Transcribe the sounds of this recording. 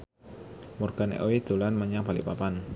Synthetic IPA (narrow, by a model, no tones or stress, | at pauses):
murɡ̥anḛʔowid̪̥o̤lanmaɲab̥alḭʔpapan